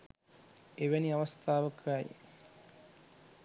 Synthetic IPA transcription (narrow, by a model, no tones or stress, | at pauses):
eʋeniɐʋɐst̪ʰaːʋɐkʰaːjḭ